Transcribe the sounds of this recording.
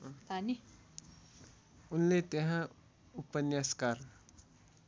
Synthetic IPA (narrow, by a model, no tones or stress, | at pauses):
t̪ani | unlet̪eɦã | upənjaskar